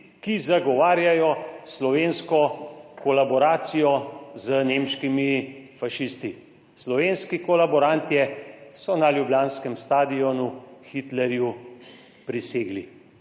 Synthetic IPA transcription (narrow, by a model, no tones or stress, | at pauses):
kizaɡɔʋaːɾjajɔslɔʋeːnskɔkɔlabɔɾaːt̪sijɔzənemʃkimifaʃist̪i | slɔʋeːnskikɔlabɔɾant̪ijɛsɔnaljubjaːnskɛmst̪aːd̪iɔnuxit̪lɛɾju | pɾiseːɡli